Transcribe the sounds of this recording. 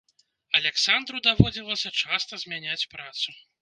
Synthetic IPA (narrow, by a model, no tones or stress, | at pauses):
ɐlʲɛksand̪ɾud̪avɔd͡zʲilˠɐsʲɐt͡ʂast̪ɐzʲmʲanʲat͡sʲpɾat̪su